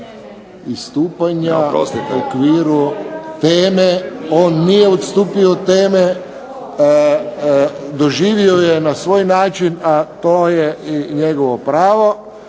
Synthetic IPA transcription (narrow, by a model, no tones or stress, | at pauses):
ist̪uːpaɲaokʋiːɾut̪eːmeoːnːijeɔt̪st̪uːpiot̪eːme | d̪oʒiːʋiojenasʋoːjnaːt͡ʃinat̪oːjeiɲeɡoʋopɾaːʋo